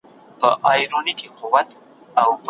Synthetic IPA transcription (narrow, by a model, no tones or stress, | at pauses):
pəʔɑjɾonikequwat̪ | awp